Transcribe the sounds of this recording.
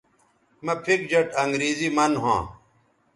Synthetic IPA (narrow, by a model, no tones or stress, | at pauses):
mɐpʰik̚d͡ʑɐʈʰɐŋɡɾiːzimɐnɦã̰ː